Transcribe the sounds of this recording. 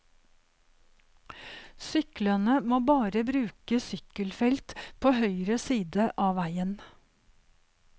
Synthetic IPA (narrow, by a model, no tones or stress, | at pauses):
sʏklənəmoːbɑːɾəbɾʉːkəsʏkəlfɛlt̪pʰoːhœʏɾəsiːd̪əʔɑːʋæɪən